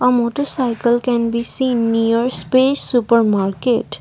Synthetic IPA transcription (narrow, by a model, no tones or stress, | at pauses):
əmoːʈəɾsaɪjkəlkɛ̃nbisĩːnːijəɾspesupəɾmaɾkeʈ